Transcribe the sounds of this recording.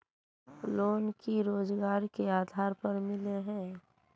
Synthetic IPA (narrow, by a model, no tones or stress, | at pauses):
loːnkiɾoːd͡ʒɡaːɾkeaːd̪ʱaːɾpɐɾmɪleɦɛ̃ː